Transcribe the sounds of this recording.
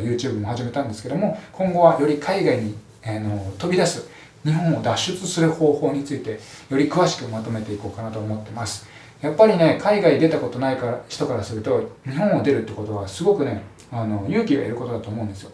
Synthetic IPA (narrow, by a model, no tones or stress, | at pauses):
jɯ̟ːt͡ɕɨːbɯ̟mo̞haʑime̞t̪ãnd̪e̞sɨ̥ke̞d̪o̞mo̞kʰõ̞ŋɡo̞βajo̞ɾʲikʰaiɡaiɲ̟i | ano̞t̪o̞bʲid̪asɨ | ɲ̟iɦõ̞ɰ̃o̞d̪aɕːɨt͡sɨsɨɾɯ̟ho̞ːho̞ːɲ̟it͡sɨit̪e̞jo̞ɾʲikɯ̟βaɕi̥kɯ̟mat̪o̞me̞t̪e̞iko̞ːkanat̪oːmo̞t̪ːe̞masɨ̥ | japːaɾʲine̞kʰaiɡaid̪e̞t̪ako̞t̪o̞naikaɾaɕi̥t̪o̞kaɾasɨɾɯ̟t̪o̞ɲ̟iɦõ̞ɰ̃o̞d̪e̞ɾɯ̟t̪ːeko̞t̪o̞βasɨɡo̞kɯ̟ne̞ | ano̞jɯ̟ːkʲiɡa̰eɾɯ̟ko̞t̪o̞d̪at̪oːmo̞ɯ̃nd̪esɨjo̞